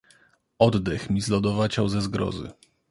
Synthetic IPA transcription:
ɔd̪d̪ɛxmʲizlɔd̪ɔvat͡ɕawzɛzɡɾɔ̰zɘ̰

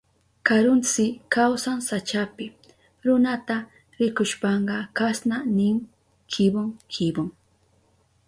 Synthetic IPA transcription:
kaɾʊnt͡sɪkawsansat͡ʃapɪ | ɾʊnat̪a | ɾɪkʊʃpɑɴɢɑkasnanɪŋ | kʰɪbʊŋkʰɪbʊŋ

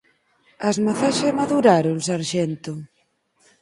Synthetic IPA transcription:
ɐzmaθaʃamaðuɾaɾʊsaɾʃɛnt̪ʊ

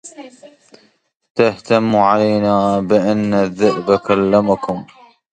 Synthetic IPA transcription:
t̪aht̪amːʕalajnaːbɪʔanːaðːɪʔbakalːamakʊm

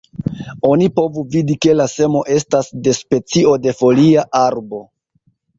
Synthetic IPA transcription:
o̞nipo̞vuvidike̞lase̞mo̞ʔe̞stasde̞spe̞t͡sio̞de̞fo̞liaʔaɾbo̞

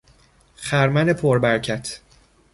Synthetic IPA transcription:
χæɾmæne̞pʰoɾbæɾcʰæt̪ʰ

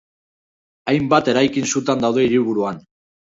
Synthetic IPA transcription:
ajmbat̪e̞ɾajkinsut̪and̪awðe̞iɾiβuɾuan

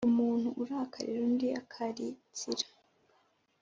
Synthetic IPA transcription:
umuːn̥huʔuɾahakʰa̰ɾḭɾundiakʰaɾit͡siɾḁ

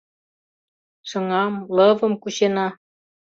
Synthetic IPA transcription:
ʃɤ̆ŋɑmlɤβə̆mkuɕenɑ

